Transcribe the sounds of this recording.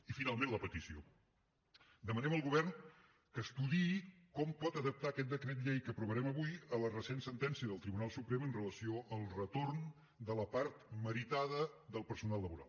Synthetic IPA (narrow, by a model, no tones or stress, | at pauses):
ifinalˠmẽnləpət̪isio̰ | d̪əmənɛməlˠɣuβ̞ɛrn | kəst̪uðikɔmpɔt̪əðəp̚t̪aːkɛt̪̚d̪əkɾet̪̚ʎejkəpɾuβəɾɛməβujələrəsensənt̪ɛnsiəðəlˠt̪ɾiβunalˠsupɾɛmənrələsioʔəlˠrət̪orn | d̪ələpaɾt̪məɾit̪aðəd̪əlˠpəɾsunalˠləβuɾa̰lˠ